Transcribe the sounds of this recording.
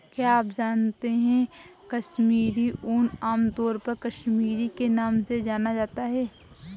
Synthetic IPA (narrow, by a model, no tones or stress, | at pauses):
kjaaːpd͡ʒaːnt̪eɦɛ̃kɐʃmiːɾiʔʊnaːmt̪ɔːɾpɐɾkɐʃmiːɾikenaːmsed͡ʒaːnad͡ʒaːt̪aɦɛː